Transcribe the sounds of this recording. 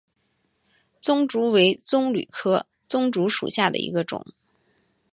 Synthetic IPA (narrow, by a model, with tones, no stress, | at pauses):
t͡sʊ˥ŋʈ͡ʂu˧˥we˧˥ɪt͡sʊ˥ŋly̰˨˩kʰɤ˥ | t͡sʊ˥ŋʈ͡ʂu˧˥ʂṵ˨˩ɕja˥˩d̪ə̰˩ḭ˧˥ɡə˧ʈ͡ʂʊ̰˨˩˦ŋ